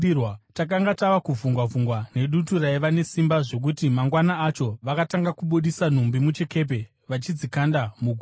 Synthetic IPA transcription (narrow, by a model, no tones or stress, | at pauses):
watakaŋɡataʋakuvuŋɡwavuŋɡwane̞ɗuturaiʋane̞simbaʐo̞k̬utimaŋɡwanaːt͡ʃo̞ʋakataŋɡakuɓuɗisan̤umbimut͡ʃe̞ke̞p̬e̞ | ʋat͡ʃid͡zikandamuɡʱu